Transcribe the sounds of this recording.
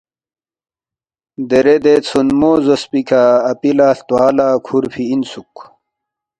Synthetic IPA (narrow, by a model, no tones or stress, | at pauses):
d̪eɾed̪et͡sʰunmoːzospikʰaːpilaːɬt̪waːlaːkʰuɾfʰiinsuk